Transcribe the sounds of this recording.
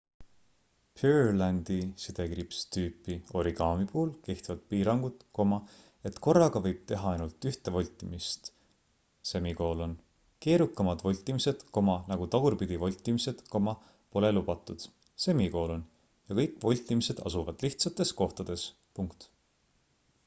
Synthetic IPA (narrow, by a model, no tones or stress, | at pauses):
pʰylænd̪̥isid̪̥e̞ɡɾipst̪yːpːio̞ɾiɡ̥ɑːmipuːlke̞ht̪vɑt̪̚piːɾɑŋɡ̥ut̪ko̞mɑ | e̞t̪ko̞rːɑɡ̥ɑvɤjb̥̚t̪e̞ɦɑɑjnult̪ːˑyht̪evo̞lʲt̪ːˑimist̪ | se̞miko̞ːlo̞n | ke̞ːɾukːˑɑmɑd̪vo̞lʲt̪ːˑimise̞d̪̥ko̞mɑnɑɡut̪ɑɡ̥urpid̪̥ivo̞lʲt̪ʲːˑimise̞d̪̥ko̞mɑ | po̞lelub̥ɑt̪ːˑud̪̥ | se̞miko̞ːlo̞n | jɑkɤjkːˑvo̞lʲt̪ʲːˑimise̞d̪̥ɑ̰suvɑd̪̥liht̪sɑt̪ːˑe̞sko̞ht̪ɑd̪̥e̞s | puŋkt̪